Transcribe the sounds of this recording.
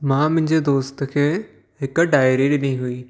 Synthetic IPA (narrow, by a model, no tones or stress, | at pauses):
mãmʊ̃ɦɪ̃ɲd͡ʑed̪oːst̪ə̆kʰeː | ɦɪkʊ̆ɖaːɪɾiɗɪniɦuiː